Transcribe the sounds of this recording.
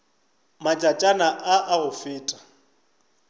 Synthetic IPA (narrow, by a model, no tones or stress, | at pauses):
mat͡ʃʼat͡ʃʼanaʔaʔaɣʊfɪːtʼḁ